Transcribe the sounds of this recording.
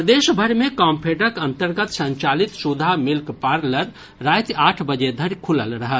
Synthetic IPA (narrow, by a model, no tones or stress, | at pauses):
d̪eʃbʱəɾmẽkampʰeɖəkənt̪əɾɡət̪sə̃ɲt͡ʃalit̪sud̪ʱamilkpaɾləɾ | ɾajt̪aːʈʰbəd͡ʒed̪ʱəɾjkʰuləlɾəɦə